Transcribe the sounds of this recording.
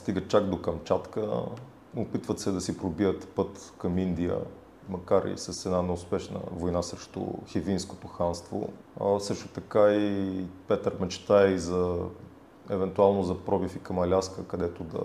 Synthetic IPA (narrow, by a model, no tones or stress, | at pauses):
st̪iɡət͡ʃaɡd̪okɐmt͡ʃat̪kə̰ | opit̪vət̪sɛd̪ɐsipɾobiət̪pɤt̪kɐmind̪ijə̰ | mɐkaɾḭsɐsɛd̪nanɛʊspɛʃnə̰vojnasɾɛʃt̪o̰xivinsko̥t̪oxanst̪vo̰ | sɤʃt̪ot̪ɐkaipɛt̪əɾmɛt͡ʃt̪aɛizɐ | ɛvɛnt̪ualˠnozɐpɾɔbifikɐmɐlʲaskəkɐd̪ɛt̪od̪ɐ̰